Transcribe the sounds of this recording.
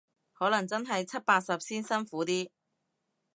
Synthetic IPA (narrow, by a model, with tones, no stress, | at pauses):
hɔː˨˥lɐ˨˩ŋt͡sɐ˥nɦɐ˨jt͡sʰɐ˥t̚paː˧t̚sɐ˨p̚siː˥nsɐ˥nfuː˨˥t̪iː˥